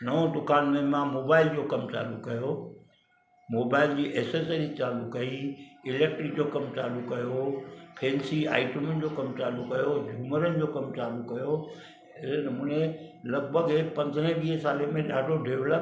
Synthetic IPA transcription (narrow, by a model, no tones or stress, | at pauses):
nɐõd̪ʊkaːnmẽmãmoːbaːɪld͡ʑoːkɐmt͡ɕa̰ːlukɐjo | moːbaːɪld͡ʑiːʔeːsesəɾit͡ɕaːlukɐiɪleːk̚ʈɾik̚d͡ʑoːkɐmt͡ɕaːlukɐjopʰeːnsia̰ːɪʈəmənɪ̆d͡ʑoːkɐmt͡ɕaːlukɐjod͡ʑʱuːməɾənɪ̆d͡ʑoːkɐmt͡ɕaːlukɐjo | ɪnɐmũːnẽlɐɡ̚bʱəɡpɐ̃nd̪ʱənə̃ʋiːɦsaːlemẽɗaːɖʱoɖʱeːʋlə